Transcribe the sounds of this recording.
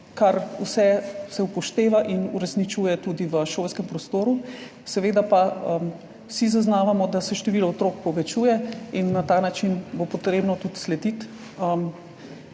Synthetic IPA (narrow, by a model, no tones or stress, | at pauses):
kaɾusɛsɛupɔʃt̪eːʋaʔinṵɾɛsnit͡ʃuːjɛt̪uːd̪iʋəʃoːlskɛmpɾɔst̪oːɾu | sɛʋeːd̪apaəm | wsizaznaːʋamɔd̪asɛʃt̪ɛʋilɔot̪ɾoːkpɔʋɛt͡ʃuːjɛinːat̪aːnat͡ʃinbopɔt̪ɾeːbnɔt̪ut̪slɛd̪it̪ | əm